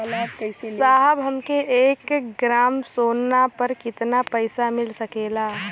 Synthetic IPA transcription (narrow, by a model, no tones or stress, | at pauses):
ɐlaːkɐseaːɦəbɦɐmkeʔeːkɡɾaːmsoːnːapɐɾkɪt̪napɐɪsamɪlsɐkeːlaː